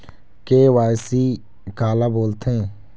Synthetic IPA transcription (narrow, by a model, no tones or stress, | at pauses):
kewaːjsi | kaːlaboːlt̪ẽː